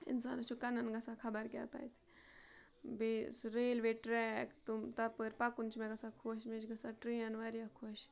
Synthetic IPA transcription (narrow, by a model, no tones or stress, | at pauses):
ḭnsa̰ːnɐt͡ʃʰukɐnɐnɡɐsakʰɐbɐɾkʲja̰ːt̪a̰ːjt̪ʰi̥ | besɾeːlʋeʈɾɛkt̪umt̪ɐpɨɾpɐkunt͡ʃʰmɛɡɐsakʰoʃmet͡ʃɡɐsaʈɾijɐnʋaɾijakʰoʃ